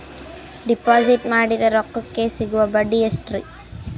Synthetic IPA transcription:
ɖipaːziʈmaːɽid̪ɐɾɔkːukːesiɡuʋɐbɐɖiesʈɾḭ

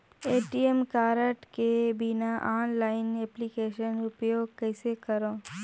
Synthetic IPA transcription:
eːʈiemkaːɾəʈkebinaʔaːnlaːɪneːplikeːʃənʊpjoːɡ̚kɛːsekɐɾõː

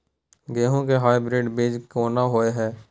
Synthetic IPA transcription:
ɡeːɦõkeɦaːibɾeːɖbeːd͡ʒkoːnaɦoːeɦɛː

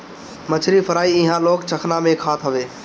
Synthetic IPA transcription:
mət͡ʃʰɾifʰəɾaːiɪɦãːloːkt͡ʃʰəkʰnamẽkʰaːt̪ʰɦəʋeː

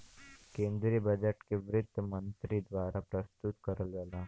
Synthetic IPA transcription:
kẽːnd̪ɾibɐd͡ʒəʈkeʋɾɪd̪ʱːəmə̃nt̪ɾid̪ʋaːɾapɾəst̪ʊt̪kɐɾəlɡəlaː

